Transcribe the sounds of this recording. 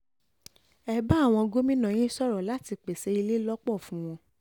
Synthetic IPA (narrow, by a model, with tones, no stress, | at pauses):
ɛ˦˨ba˦˨w̃ɔ̃˧ɡo˦mĩ˦nã˨j̃ĩ˦sɔ˦ɾɔ˨la˨˦ti˨˧k͡pe˨se˧˦i˧le˦lɔ˦k͡pɔ˦˨fũ˨˦w̃ɔ̃˧